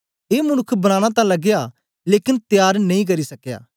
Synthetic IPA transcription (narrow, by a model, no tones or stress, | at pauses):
eːmʊnʊkʰːbɐɽ̃aːɽ̃ãt̪̬ãlɐɡja | leːkɪnt̪jaːɾnɐ̃ĩk̬ɐɾisɐkja̰ː